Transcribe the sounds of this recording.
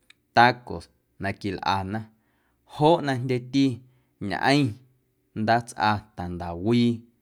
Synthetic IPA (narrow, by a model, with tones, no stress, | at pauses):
t̪a˦ko̰˨s | nã˧ki˧lʔa̰˧˨nã˦˧ | hoː˦ʔnã˧ndʲe˦t̪i˦ | ɲã̰˨ʔə̰̃˦ĩ˦˧ | nd̪aː˦t͡sʔa˧t̪a˨nd̪a˨wiː˦˧